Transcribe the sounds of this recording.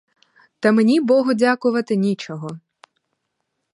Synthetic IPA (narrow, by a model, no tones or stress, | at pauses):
t̪ɐmenʲibɔɦɔdʲakʊʋɐt̪ɪnʲit͡ʃɔɦɔ